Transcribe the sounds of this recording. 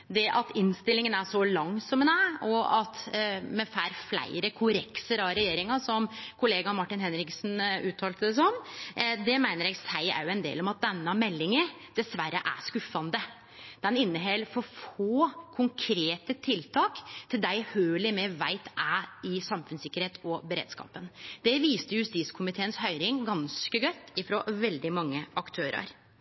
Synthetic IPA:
d̪ɛʔɑt̪ɪnst̪ɪlɪŋənæʂɔlɑŋːsɔmɛnæɔɑt̪mɛfæːɾflæ̰ɪɾəkʰʊɾɛksəɾɑɾɛjeːɾɪŋɑsɔmkʰʊleːɡɑmɑʈːɪnhɛnɾɪksnʉːt̪ʰɑːlt̪əd̪ɛsɔnmd̪ɛmæɪnəɾjɛɡsæɪæ̰ɾjʊɛnd̪ḛːlɔmɑt̪̚d̪ɛnːɑmɛlːɪŋə | d̪̥ɛsʋæɾːəʔæ̰ʂkʉfɑnd̪ə | d̪̥ɛnɪnːəɦɛlːfɔfoːkʰʊŋkʰɾeːt̪ət̪ʰɪlt̪ʰɑːkt̪ʰɪld̪æɪhøːlɪmɛʋæɪt̪ʔæɪsɑmfʉnsɪkːəɾheːt̪ɔbəɾḛːd̪skɑ̰ːpənd̪̥ɛʋiːst̪əjʉst̪iːskʰʊmɪt̪ʰeːənshœʏɾɪŋɡɑnskəɡœt̪ːɪfɾɔʋɛld̪ɪmɑŋːəʔɑkt̪ʰøːɾɑ̰ɾ

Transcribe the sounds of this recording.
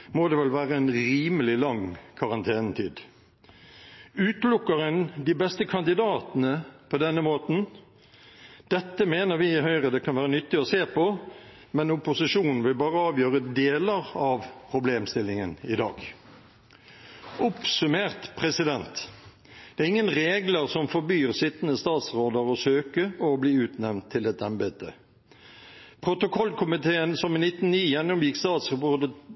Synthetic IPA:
moːd̪ɛːʋɛlʋæːʁəɛnɾiːməlɪlɑŋkʰɑʁɑnt̪ʰeːnət̪ʰiːd̪ | ʉːt̪lʊkːəʁənd̪ɪbɛst̪əkʰɑnd̪ɪd̪ɑːt̪ənəpʰɔd̪ɛnːəmoːt̪n̩ | d̪̥ɛt̪ːəmeːnəʁʋɪɦœʏʁəd̪ɛkʰɑnʋæːʁənʏt̪ːɪɔseːpʰɔ | mɛnʊpʊsɪʂuːnn̩ʋɪlbɑːʁəɑːʋjøːʁəd̪eːləʁɑʋpʰʁʊbleːmst̪ɪlɪŋənɪd̪ɑ̰ːɡ | ʔʊpsʉmeːʁt̪pʰʁɛsɪd̪ɛnt̪ | d̪̥ɛæːʁɪŋːənʁeːɡləʁsɔmfɔɾbyːʁsɪt̪ːənəst̪ɑːt̪sʁoːd̪əɾɔsøːkəɔbliːʉːt̪nɛmnt̪ʰːɪlɛt̪ɛmbɛt̪ə̰ | pʰʁʊt̪ʊkʰɔlkʰʊmɪt̪ʰeːənsɔmɪnɪt̪n̩niːjɛnːʊmjɪkst̪ɑːt̪sʁəpʊd̪ə

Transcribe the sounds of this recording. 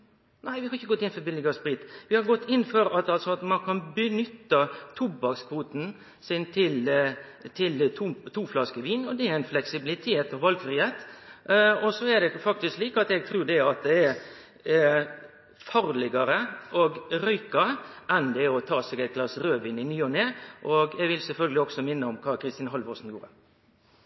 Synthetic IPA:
næɪʋɪhɑɾɪçːəɡɔt̪ːɪnfɔɾbɪlːɪɡəspɾɪt̪ʋɪhɑɾɡɔt̪ːɪnːfœɾɑt̪ɑlsɔɑt̪mɑnkʰɑnbənʏt̪ːət̪ʰʊbɑkskʰfuːt̪n̩ | sɪnt̪ʰɪl | t̪ʰɪlʰut̪ʰuːflɑskəʋiːnɔd̪ɛæɾæɪnflɛksɪbɪlɪt̪ʰeːt̪ɔʋɑlɡfɾiːheːt̪ | ɔsɔɛd̪ɛfɑkt̪ɪskliːkɑt̪ɛɡ̚t̪ʰɾʉːɖɛɑt̪̚d̪ɛɛɾ | fɑɾlɪɡɑɾəɔɡɾœʏkɑɾəʔɛnd̪ɛɔt̪ʰɑːsɛɡɛt̪̚ɡlɑsɾøːʋiːnɪnyːɔneːʔɔɡɛɡʋɪlsɛlfœlɡəlɪɔksɔmɪnːəɔmkʰɑːkʰɾɪst̪iːnɦɑlʋɔsn̩jṵːɾə̰

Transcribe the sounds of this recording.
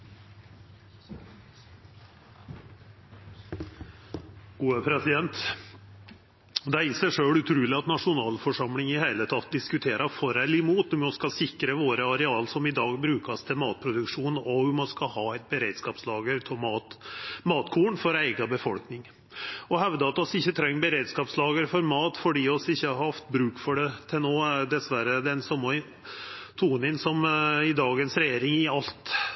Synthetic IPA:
ɡ̥uːəpʰɾɛsɪd̪ɛnt̪ | d̪ɛæɾɪsæɪʂøːɽʉt̪ʰɾʉːlɪɑt̪nɑʂʊnɑːlfɔʂɑmlɪŋɪhæɪlət̪ʰɑt̪ːd̪ɪskʉt̪ʰeːɾɑfɔɾɛlɪmuːt̪ɔmɔskɑsɪkɾəʋoːɾəɑɾɛɑːlsɔmɪd̪ɑːɡbɾʉːkɑst̪ʰɪlmɑːt̪̚pʰɾʊd̪ʉkʂuːnɔʊmɑnskɑhɑːæɪt̪̚bəɾeɪd̪skɑːpslɑːɡəɾt̪ʰɔmɑːt̪mɑːt̪kʰuːɳfɔɾæɪɡɑbəfɔlknɪŋ | ɔɦɛʋd̪əɑt̪ɔsɪçːət̪ʰɾɛŋːbəɾeːd̪skɑːpslɑːɡəɾfɔɾmɑːt̪fɔɖiːɔsɪçːəhɑɾhɑft̪bɾʉːkfɔɖɛt̪ʰɪlnoːd̪ɛsʋæɾəd̪ɛnsɔmːɑ | t̪ʰuːnɪnsɔmɪd̪ɑːɡənsɾɛjeːɾɪŋɪɑlt̪

